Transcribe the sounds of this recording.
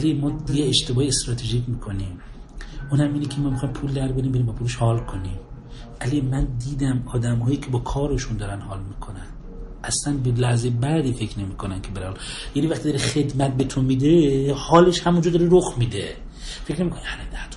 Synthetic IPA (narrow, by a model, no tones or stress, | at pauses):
ælemɒːjeeʃt̪e̞bɒːheest̪ɾɒːt̪ʰeʒiːkʰmiːkʰo̞niːm | uːnhæmiːnekʰemɔːmexɒːjimpʰuːld̪æɾbeɾimbeɾimbɒːpʰuːleʃhɒːlkʰo̞nim | ælimænd̪iːd̪æmɒːd̪æmhɒːjiːkʲʰe̞bɒːkʰɒːɾeʃund̪ɒːɾænhɒːlmiːkʰonænd̪ | ʔæslænbelæhzejbæd̪iːfe̞kʰne̞miːkʰonænkʲʰebælæhɒljænivæxχt̪id̪ɒːɾexe̞d̪mæt̪̚bet̪ʰomid̪ehɒːleʃhæmund͡ʒɔd̪ɒːɾeɾoxmid̪ḛ | fe̞kʰnemikoniænnæt̪ʰ